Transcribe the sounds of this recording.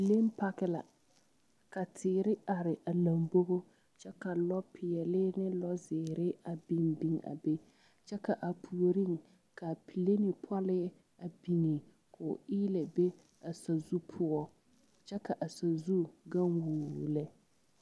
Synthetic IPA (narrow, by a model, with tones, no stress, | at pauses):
pi˨le˦m˦pa˦kɪ˦la̰˨ | ka˨tʰɪː˨ɾɪ˦a˨ɾɪ˨ʔa˨la˨mbo˦bo˦ | t͡ʃɛ˦ka˨lɔ˦pʰɪ˨ɛ˨lɪː˦nɪ˦lɔ˦zɪː˨ɾɪ˦a˨bi˨ŋbi˦ŋa̰˨be˦ | t͡ʃɛ˦ka˨ʔa˨pʰu˨o˨ɾi˦ŋ | ka˨pʰi˨le˦ni˨pʰɔ˦lɪ˦ | a˨bi˨ŋi˨ | kʰʊː˨ɪ˦lɛ˨be˦ | a˨sa˨zu˦pʰʊ˦ɔ˦ | t͡ʃɛ˦ka˨ʔa˨sa˨zu˦ɡa˦ŋwuː˨lɛ˦